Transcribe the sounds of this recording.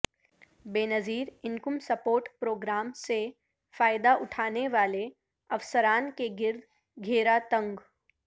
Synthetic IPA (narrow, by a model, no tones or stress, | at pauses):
beːnəziːɾɪnkʊmsɐpoːɾʈpɾoːɡɾaːmse | faːjɪd̪aʔʊʈʰaːneʋaːle | ɐʋsəɾaːnkeɡɪɾd̪ | ɡʱeːɾat̪ɐ̃ŋɡ